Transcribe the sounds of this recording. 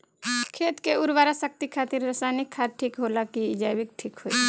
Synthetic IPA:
kʰeːt̪keʊɾʋaːɾasək̚t̪ikʰaːt̪ɪɾːəsaːnɪkʰːaːʈʰikɦoːlakiɪd͡ʒaːjbɪk̚ʈʰiːkɦoi

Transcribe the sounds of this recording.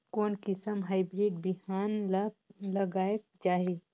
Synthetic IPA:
koːnkɪsəmɦaːɪbɾiːɖ̚biɦaːn | lɐɡaːek̚d͡ʒaːɦe

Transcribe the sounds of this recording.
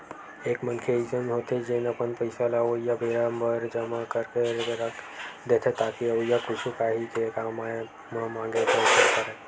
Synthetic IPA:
eːkmənkʰeizənɦot̪ʰed͡ʒenəpənpəɪsalaojabeɾambəɾd͡ʒəmakəɾkeɾeɾəkd̪et̪ʰet̪akiojakʊt͡ʃʰukaɦik̪ʰekama | mamãŋɡepəsakəɾe

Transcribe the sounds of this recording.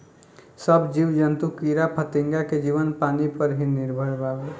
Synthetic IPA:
səbd͡ʒiʋd͡ʒənt̪ukiːɾapʰət̪ɪ̃ŋɡaked͡ʒiːʋənpaːnipəɾɦinɪɾbʱəɽbʱaːwe

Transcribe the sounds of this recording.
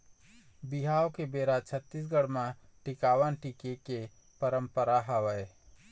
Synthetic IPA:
bɪɦaːokebeːɾat͡ʃʰət̪ːis̬ɡəɽmãʈɪkaːʋənʈikeke | pəɾəmpəɾaɦəʋəe

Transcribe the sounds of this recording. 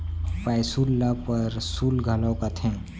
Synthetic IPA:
pajsulːapəɾsulɡʱəlawkat̪ʰẽ

